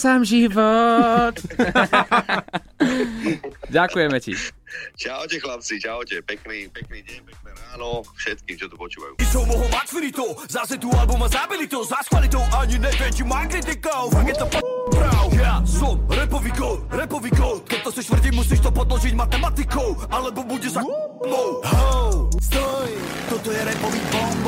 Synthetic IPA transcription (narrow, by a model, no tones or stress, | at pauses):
saːmʒivɔt̪ | ɟakujɛmɛcḭd͡ʒaɔcɛxlap̚t͡sid͡ʒaɔcɛpɛkniːpɛkniːɟɛɲpɛknɛɾaːnɔfʃɛt̪kiːmt͡ʃɔt̪ɔpɔt͡ʃuːʋa̰jṵːisɔwmɔɦɔmak̪fiɾit̪ɔwzasɛt̪ualɛbɔmazabilit̪ɔzaskʋalit̪ɔwʔaɲinɛvɛmt͡ʃimaɡɾɛt̪ikɔwakɛt̚t̪ɔpɔpɾawʒasɔmɾɛpɔvikɔt̪ɾɛpɔviːkɔt̪kɛc̚t̪ɔsɛʃt̪vr̩ɟimusiːʃt̪ɔpɔd̪lɔʒicmat̪ɛmat̪ikɔwalɛbɔbuɟɛzauplɔwɦast̪ɔj | t̪ɔt̪ɔjɛɾɛpɔvibɔmb